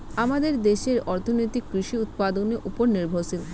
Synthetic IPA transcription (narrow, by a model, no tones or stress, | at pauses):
amad̪eɾd̪eʃeɾɔɾt̪ʰonojt̪ikːɾiʃiut̪̚pad̪oneʔupoɾniɾbʱoɾsil